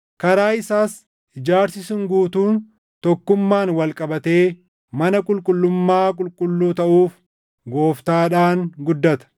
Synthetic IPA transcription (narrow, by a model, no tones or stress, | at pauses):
kɐɾaːɪsaːs | ʔɪd͡ʒaːɾsɪsɪŋɡuːt̪uːn | t̪ɔkːʊmːaːnwɐlkʼɐbɐt̪e̞ː | mɐnɐkʼʊlkʼʊlːʊmːaːk̬ʼʊlkʼʊlːuːt̪ɐʔuːf | ɡo̞ːft̪aːᶑaːŋɡʊd̪ːɐt̪ɐ̥